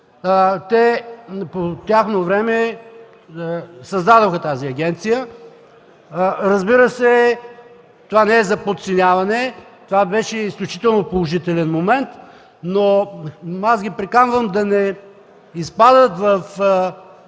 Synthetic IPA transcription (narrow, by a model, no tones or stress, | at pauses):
t̪ɛpot̪ʲjaxnovɾɛmɛ | sɐzd̪ad̪oxət̪aziɐɡʲɛnt̪sijə | ɾəzbiɾəsɛ | t̪ovanɛɛzɐpot̪t̪sɛnʲavɐnɛt̪ovabɛʃɛisklʲut͡ʃi̥t̪ɛlˠnopolˠoʒit̪ɛlɛnmomɛnt̪ | no | asɡʲipɾɛkanvəmd̪ɐnɛ | ispad̪ət̪vəf